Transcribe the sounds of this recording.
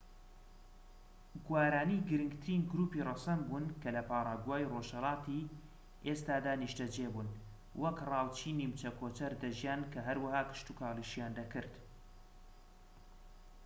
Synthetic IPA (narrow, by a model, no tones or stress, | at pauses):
ɡwaːɾaːniɡɨɾɨŋɡt̪ɨɾinɡɾuːpirɑsɐmbuːnkʰɐlɐpaːɾˤɑɡwaːjroʒhɐlɑːt̪i | ʔest̪aːd̪aːniʃtɐd͡ʒebun | wʔɐkrɑːwt͡ʃʰiːnimt͡ʃɐkʰoːt͡ʃɐɾd̪ɐʒjaːnkʰɐɦɐɾwɐɦaːkɨ̥ʃt̪ukʰaːlˠiʃjaːnd̪ɐkɨɾd̪